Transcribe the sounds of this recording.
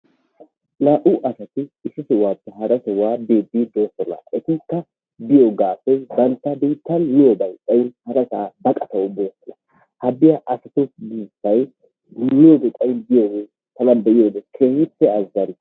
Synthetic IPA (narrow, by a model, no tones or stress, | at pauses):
laːʔʊʔɐsɐt̪ɪɪsɪsɪwaːpːɛɦɐɾɐsɛwaːbeːbːiːd̪oːsɔlɐ̰ʔɛt̪ɪkːɐ | bɪjoɡaːfɛbɐnt̪ːɐbiːt̪ːɐlːɪjobɐjtʼɐjɪnhɐɾɐsaːbɐkʼɐt̪ɐwʊd̪o̞ːsɛlɐ | hɐbɪjɐʔɐsɐt̪osɡiːsɐj | lɪjoːbɛt̪ʼɐjɪnbɪjoːɡɛ | t̪ɐlɐnbɛʔɪjoːb̪ɛkʰehɪpːɛɐzːɐɾɪ